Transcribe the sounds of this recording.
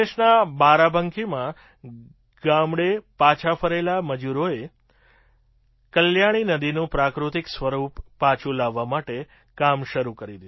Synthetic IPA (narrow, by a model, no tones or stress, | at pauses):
eʃnabaɾabʱəŋkʰimã | ɡ̥amɽepat͡ʃʰapʰəɾelaməd͡ʒuɾoe | kəljaɽ̃inəd̪inũpɾakɾut̪iksʋəɾupːat͡ʃʰũlaʋːamaʈe | kamʃəɾukəɾid̪id̪